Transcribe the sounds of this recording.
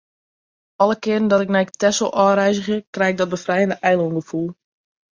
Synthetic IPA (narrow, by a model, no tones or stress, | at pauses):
ɔlˠəkɪərn̩dɔtɪk̚nɛjktɛsolˠʔɔːrɛjzəxəkrɛjɪɡ̚dɔd̚bəfrɛjəndəʔɛjlˠonɡəfulˠ